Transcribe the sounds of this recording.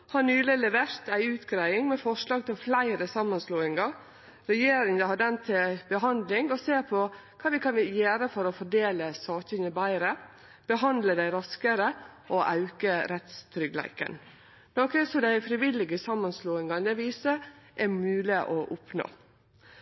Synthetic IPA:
hɑnyːləlɛʋeːɾt̪æɪʉːt̪ɡɾæɪɪŋmɛfɔʂlɑːɡ̚t̪ɪlflæɪɾəsɑmːɑnsloːɪŋɑ | ɾɛjeːɾɪŋəhɑd̪ɛnt̪ʰɪbəɦɑnd̪lɪŋɔseːɾpʰɔ | kʰɑːʋɪkʰɑnʋjæːɾəfɔɾɔfɔɖeːləsɑːkənəbæɪɾə | b̥əɦɑnd̪ləd̪æɪɾɑskəɾəʔoʔɑ̰ʉkəɾɛt̪st̪ʰɾʏɡlæ̰ɪkə̰n | noːkəsɔd̪æɪfɾɪʋɪlɪɡəsɑmːɑnsloːɪŋɑnəʋiːsəʔɛɾmʉːlɪʔɔʔʊpno̰ː

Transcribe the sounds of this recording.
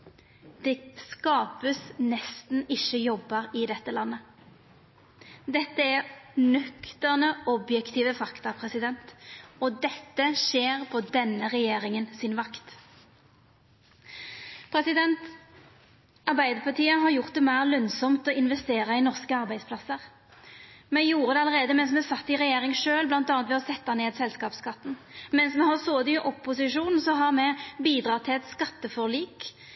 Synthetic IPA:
d̪̥ɛskɑːpəsnɛst̪n̩ɪʃəjɔbːɑʁɪd̪ɛt̪ːəlɑnːə | d̪ɛt̪ːəæʁnœkt̪əʁnəɔbjɛkt̪ʰiːʋəfɑkt̪ɑpʰʁɛsɪd̪ɛnt̪ɔd̪ɛt̪ːəʃeːʁpʰoːd̪ɛnːəʁɛjeːʁɪŋənsɪnʋɑkt̪ | pʰɾɛsɪd̪ɛnt̪ | ɑʁbæɪd̪əpʰɑʁt̪ʰiːəɦɑʁjʊʁt̪̚d̪ɛmæɪʁlœnsɔmt̪ɔɪnʋɛst̪eːʁɑinɔʁskəɑʁbæɪspʰlɑsəʁ | mɛjuːʁəd̪ɛɑləʁeːd̪əmɛns̬mɛsɑt̪ːɪʁɛjeːʁɪŋʂøːlblɑnt̪ɑːnt̪ʋɛɔsɛt̪ːɑneːd̪sɛlskɑːpskɑt̪ːn̩mɛnsmɛɦɑsoːd̪ɪʔɔpːʊsɪʃuːnn̩sɔɦɑʁmɛbiːd̪ʁɑːʁt̪ʰɪlɛt̪skɑt̪ːəfɔʁɭiːk

